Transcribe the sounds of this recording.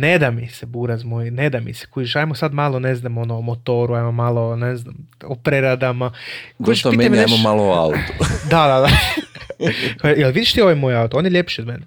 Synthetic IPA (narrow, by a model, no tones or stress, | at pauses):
ned̪amisebuɾazmojned̪amḭse̥kujiʃajmosad̪malˠoneznamo̞noːmot̪oɾuajmomalˠoneznamopɾeɾad̪amakoiʃt̪oimamineamomaloa̰ut̪ud̪ad̪ad̪a | kojelˠʋid̪iʃt̪io̞ʋajmojaut̪oonjeʎʲjepʃio̞d̪menɛ